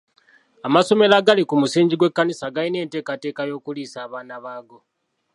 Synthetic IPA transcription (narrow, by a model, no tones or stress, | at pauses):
amaso̞me̞laɡalikumusiːɲɟiɡwe̞kːanisaɡaline̞ːnte̞ːkate̞ːkajo̞ːkuliːsaːβaːnaβaːɡo̞